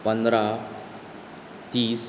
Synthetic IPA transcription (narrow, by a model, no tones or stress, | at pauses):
pə̃nd̪ɾa | t̪iːs